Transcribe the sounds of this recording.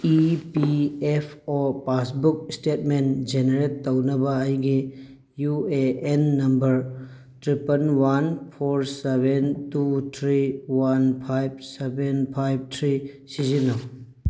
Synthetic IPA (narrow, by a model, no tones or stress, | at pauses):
ipiepʰopasbuk̚stetmend͡ʒeneɾetːownɐbɐːjɡi | jueenːɐmbɐɾ | tɾipɐnwanpʰoɾsebentut̪ʰɾiwanpʰajb̚sebenpʰajb̚tʰɾi | sizino